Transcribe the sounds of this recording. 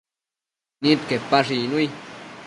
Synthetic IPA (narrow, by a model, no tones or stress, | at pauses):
nit̪̚kepaʐinuj